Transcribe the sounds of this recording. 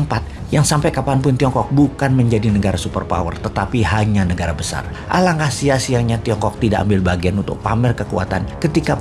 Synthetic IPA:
mpat̪̚jaŋsampajkapanpʊnt̪iɔŋkɔk̚bukanməɲd͡ʒadinəɡaɾasupə̰rpa̰wə̰rt̪ət̪apiɦaɲanəɡaɾabəsa̰r | ʔa̰laŋkasiasiaŋɲat̪iɔŋkɔk̚t̪idaʔa̰mbɪlbaɡianunt̪ʊ̰k̚pamɛrkəkua̰t̪ankət̪ika

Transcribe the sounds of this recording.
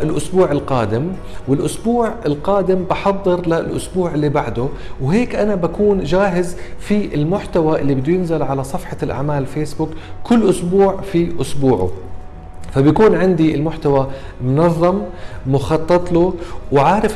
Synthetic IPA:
ʔɪlʔʊsbuːʕɪlqaːd̪ɪm | wɪlʔʊsbuːʕɪlqɑːd̪ɪmbɑħɑðˤːɨɾlalʔʊsbuːʕɪlːibaʕd̪ʊ | wɦeːkʔanabakuːnʒaːɦɪzfiʔɪlmʊħt̪awaʔɪlːibɪd̪ːujɪnzalʕalasˤɑfħɑlʔa̰ʕmaːlfeːsbʊkkːʊlːʔʊsbuːʕfiʔʊsbuːʕʊ̰ | fabjakuːnʕɪnd̪iɪlmʊħt̪awa | mʊnɑðˤːɑmːʊxɑt̪ˤːɑt̪ˤluwʕaːɾɪf

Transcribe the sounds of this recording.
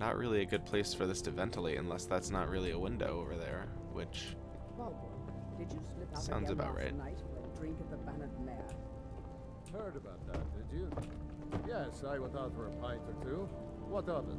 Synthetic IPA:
nə̰ʔɹʔɪ̰lˠiɨɡʊd̚pʰl̥eɪsfə˞ðɪstʰɨvɛ̃ntʰəl̩ˠiɨ̰̃nlɛsðætsnəʔ̚ɹɪlˠiəwɪ̃ndo̰ʊoʊvə˞ðə̰˞ | wɪ̰t͡ʃ | wɛlˠb | d̥ɨd͡ʒɨslɪpʌsãʊ̃ndzɨbaʊʔɹa̰ɪtnaɪtədɹɪ̃ŋkʌvðəbænətmɛɹ | hɜ˞ɾɨbaʊt̪̚ðæ̰t̚d̥ɪd͡ʒɨ | jɛsaɪwəðɔθə˞əpʰɔ̃ɪ̃ntə˞tʰʉ | wʌtʌvə̰

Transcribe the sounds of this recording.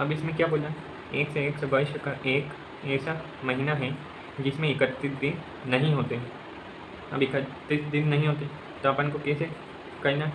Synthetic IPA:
ɐbɪsmẽkjaːboːd͡ʒa | eːkseeːksɐbɐɪʃəkaʔeːk | ɛːsa | mɐɦinaɦɛ | d͡ʒɪsmẽɪkət̪ːɪsd̪ɪnː | ɐɦĩɦoːt̪eɦɛ | ɐ̰bʱikɐt̪ːɪsd̪ɪnːɐɦĩɦoːt̪̬eɦɛ | t̪oaːpənkokɛːse | kɐina

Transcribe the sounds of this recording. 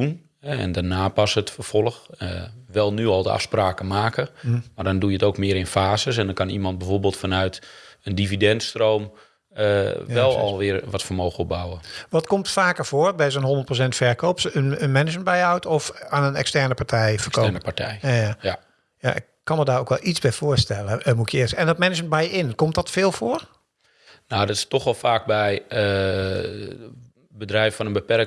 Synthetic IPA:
un | ɛɛ̰ndanaːpɑsətfərfɔlˠəxə̰ʋɛlˠnyɔlˠdəa̰fspraːkəmaːkəmardɔndujətoːkmɪəɾɪnfaːzəsɛndɔnkɑnimɑnt̚bɛvoːrbɪːlˠtfanœɥtəndividɛntstrowm | əʋɛlˠɔ̰lˠʋɪərʋɔtfərmoːxəɔbawəʋɔtkɔmtfaːkərfoːrbɛjsənɦondət̚prosɛntfɛɹkoːpsənənmɛnɪd͡ʒmənbɛjəawtʰɔfaːnənɛ̰kstɛrnəpaɹtʰɛjfəkoɛnəpatʰɛjajaa | ja̰ʔɪ̰kkːɑnmədaːrokʋɛlˠʔizbɛjfʊərstɛlˠəəmukʰjəɪːsɛndɔtmɛnɪt͡ʃmənbɛjəɪnkɔmtdɔtfɪːlˠfoər | nawdɔtɪ̥stɔxʋɛlˠfaːk̚bɛj | bədrɛjffɔnənbəpɛrk̚

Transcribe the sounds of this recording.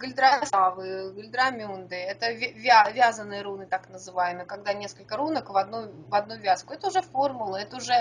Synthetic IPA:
ɡəlʲd̪ɾasavɨɡlʲd̪ɾɐmʲund̪ɨɛt̪əvʲvʲavʲazənːɨjəɾunɨt̪aknəzɨvajɪmɨjkɐɡd̪anʲe̞skəlʲkəɾunəkvɐd̪nuvɐd̪nuvʲaskʊɛt̪əʊʐɛformʊlˠəɛt̪əʊʐɛ

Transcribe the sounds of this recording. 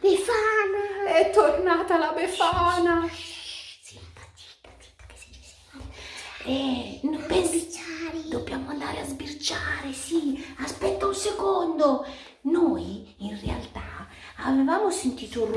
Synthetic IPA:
pefanaɛt̪ːornaːt̪alabefaːna | simpat̪i̥t̪at̪i̥t̪ːo̥ke̥si | ɛnt̪eɛnpezbiaɾd̪obːjaːmoand̪a̰ːɾeazbirt͡ʃaːɾesiaspɛt̪ːaunsekond̪o | nojinrea̰lt̪a | avevaːmosent̪iːt̪or

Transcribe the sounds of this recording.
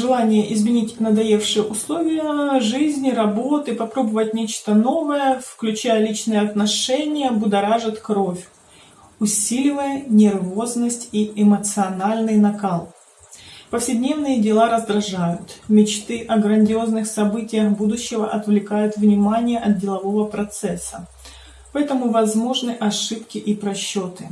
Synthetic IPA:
ʐɨlˠanʲɪjəʔɪzmʲɪnʲitʲnəd̪ɐjefʂɨjəʔʊslˠo̞vʲɪjəʐɨzʲnʲɪɾɐbo̞t̪ɨpɐpɾo̞bəvətʲnʲet͡ɕt̪əno̞vəjəfklʲʉt͡ɕæjəlʲit͡ɕnɨjəɐt̪nɐʂɛnʲɪjəbʊd̪ɐɾaʐɨt̪kɾofʲ | ʊsʲilʲɪvəjənʲɪrvo̞znəsʲtʲiɪmət̪sɨɐnalʲnɨjnɐkalˠ | pəfsʲɪdʲnʲevnɨjədʲɪlˠaɾəzd̪ɾɐʐajʊt̪mʲɪt͡ɕt̪ɨʔɐɡɾənʲdʲɪo̞znɨxsɐbɨtʲɪjəxbud̪ʊɕːɪvəʔɐt̪vlʲɪkajʊt̪vnʲɪmanʲɪjəʔɐt̪̚dʲɪlˠɐvo̞vəpɾɐt̪sɛsːə | pɐɛt̪əmʊvɐzmo̞ʐnɨʔɐʂɨpkʲɪʔipɾɐɕːo̞t̪ɨ

